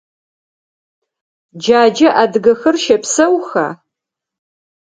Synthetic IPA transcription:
d͡ʒaːd͡ʒɐʔadɨɡɐxɐrʃɐpsɐwxa̰ː

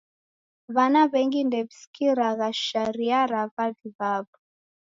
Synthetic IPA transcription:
βanaβɛŋɡindɛβisi̥kiɾaɣaʃaɾiaɾavaviβaβu

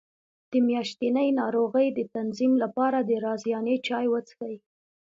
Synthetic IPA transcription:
d̪̥əmjɑʃt̪inəjnɑɾoɣəjd̪ət̪anzimlapɑɾad̪əɾɑzjɑnet͡ʃɑjwət͡sə̥xəji

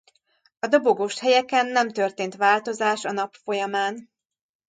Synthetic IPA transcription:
ɒd̪o̞boɡoːʃhɛjɛkɛnːɛmt̪ørt̪eːnt̪ʋaːlt̪o̞zaːʃɒnɒpfo̞jɒmaːn

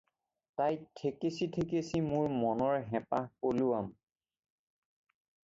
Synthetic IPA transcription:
tajtʰekesitʰekesimʊɹmɔnɔɹɦɛpahpoluam

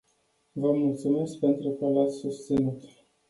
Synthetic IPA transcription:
vəmult̪sume̞sk̚pe̞nt̪ɾukəlat̪sʲsust̪sinut̪

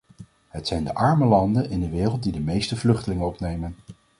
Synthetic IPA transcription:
ɦətsɛjndəʔɑɹməlɑndənɪndəʋɪːrəlˠt̚didəmejstəvlɵχtəlɪŋənɔpnejmən

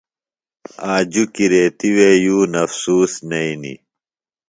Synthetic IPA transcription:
aːd͡ʑukiɾeːt̪iwejuːnɐfsuːsnɐinḭ

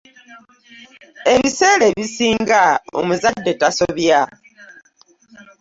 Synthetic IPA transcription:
e̞βise̞ːleβisiːŋɡao̰muzadːe̞taso̞βja

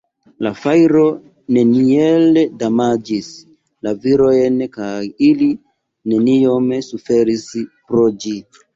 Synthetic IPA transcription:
lafajɾo̞ | ne̞nieledamad͡ʒis | laviɾo̞jnkajili | ne̞nio̞msufe̞ɾispɾod͡ʒi

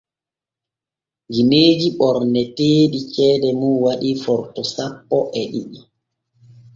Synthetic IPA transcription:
d͡ʒimeːd͡ʒiɓɔɾnɛteːɗit͡ʃɛːdɛmuwaɗifɔɾtɔsapːɔʔɛɗḭɗ

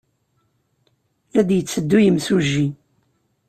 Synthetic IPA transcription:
læd̪jət͡sːəd̪ːujəmsuʒːi

